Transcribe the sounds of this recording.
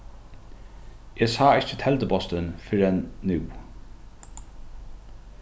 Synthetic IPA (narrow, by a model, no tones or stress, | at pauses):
eːsɑːɪt͡ʃət̪ʰɛlt̪əbɔst̪ənfʏɾɛnnʉː